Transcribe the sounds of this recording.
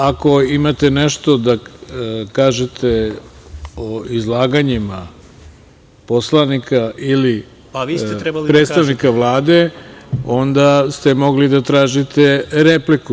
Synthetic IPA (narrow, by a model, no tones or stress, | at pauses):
ako̞imat̪e̞neʃt̪o̞d̪a | kaːʒet̪ʰe | oizlˠaːɡaɲima | po̞slanikʰaʔili | ipɾet̪st̪aʋnikaʋlˠaːd̪e̞o̞nd̪ast̪e̞mo̞ɡlid̪at̪ɾaːʒit̪e̞ɾepliku